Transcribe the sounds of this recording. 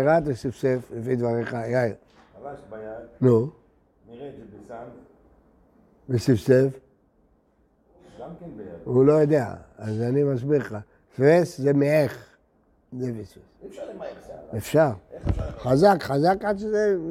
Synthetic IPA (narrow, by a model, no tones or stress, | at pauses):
eʁat̪besifseflefid̪vaʁeχajaj | nu | besifsef | ulo̞jod̪ea̰azanimasbiʁχa | sveszemeeχ | zefisves | efʃaʁχazakχazakad̪ʃeze